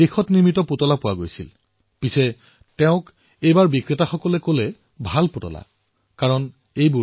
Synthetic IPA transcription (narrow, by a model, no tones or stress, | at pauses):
exɔtniɹmitɔpotɔlapʊwaɡojsil | pisɛ | tɛʊ̃k | ejbaɹbikɹitaxɔkɔlɛkolɛ | bʱalpotɔ̰la̰ | kaɹɔn | ejbu